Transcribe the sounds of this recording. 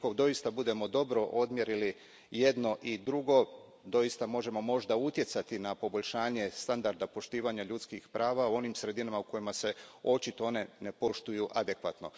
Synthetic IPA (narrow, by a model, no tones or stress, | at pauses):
kod̪o̞ist̪abud̪e̞mo̞d̪o̞bɾo̞ʔo̞d̪mje̞ɾili | je̞d̪no̞ʔid̪ɾuɡo̞ | d̪o̞ist̪amo̞ʒe̞mo̞mo̞ʒd̪aut̪je̞t̪sat̪inapo̞bo̞ʎʲʃaːɲe̞st̪and̪aɾd̪apo̞ʃt̪iːʋaɲaʎut̪skixpɾʔaːʋauo̞nimsɾe̞d̪inamauko̞jimase̞o̞t͡ʃit̪oo̞ne̞ne̞po̞ʃt̪ujuʔad̪e̞kʋa̰t̪no